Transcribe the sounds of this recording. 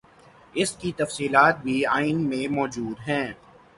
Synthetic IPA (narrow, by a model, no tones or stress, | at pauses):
ɪskit̪ɐfsiːlaːt̪̚bʱiaːɪnmẽmɔːd͡ʒuːd̪ɦɛ̃ː